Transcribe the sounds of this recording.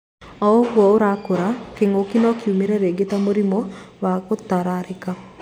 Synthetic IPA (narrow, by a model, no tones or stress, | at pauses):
ɔwɔʊɾakoɾakeŋokinɔkjumiɾɛɾeɡɪt̪amoɾimowakot̪ːaɾaɾɪka